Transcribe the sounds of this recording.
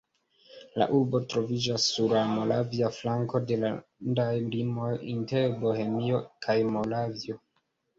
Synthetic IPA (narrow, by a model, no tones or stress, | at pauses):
la̰ʔuɾbo̞tɾo̞vid͡ʒasːuɾamo̞laviaflaŋko̞de̞landajlimo̞jinte̞ɾbo̞he̞mio̞kʰajmo̞lavio̞